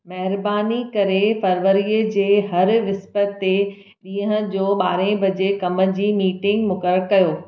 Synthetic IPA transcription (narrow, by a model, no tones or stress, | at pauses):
mɐɦɪɾbaːnikɐɾefɐɾʋəɾiəd͡ʑeːɦɐɾʋɪspət̪e | ɗĩːəɦə̃̆d͡ʑoːɓaːɾẽbʱɐd͡ʑekɐmə̆d͡ʑiːmiːʈɪ̃ŋɡmʊkəɾəɾkɐjoː